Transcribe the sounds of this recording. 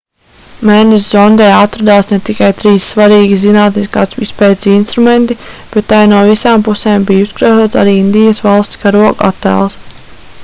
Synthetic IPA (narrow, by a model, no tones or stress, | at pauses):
mɛːnɛszɔnd̪ɛjat̪ɾad̪aːsnɛt̪ikajt̪ɾiːssvaɾiːɡʲizinaːt̪niskaːsispɛːt̪sinst̪ɾument̪ib̥ɛt̪ːajnuɔvisaːmpuseːmbijuskɾazoːt̪sa̰ɾiːind̪ijɐsvalˠst̪skaɾuɔka̰t̪ːæ̰ːlˠs